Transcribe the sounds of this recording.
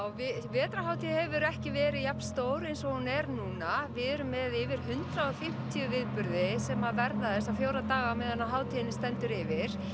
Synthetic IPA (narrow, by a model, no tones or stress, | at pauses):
wvɪvɛːt̪ɾaɦaːwt̪ʰiðhɛvʏɾɛhcɪvɛːɾɪjappn̥st̪oːwɾejnsɔhunɛɾnuːnavɪðɛɾʏmːɛðɪvɪɾ̥ɦʏnt̪ɾaɔɣfɪm̥t̪ʰiʏvɪðpʏɾðɪsɛmavɛɾðaðɛsːafjowɾat̪aːɣamɛðɛnːaɦaːwt̪ʰiɪnːɪst̪ɛnt̪ʏɾɪvɪɾ̥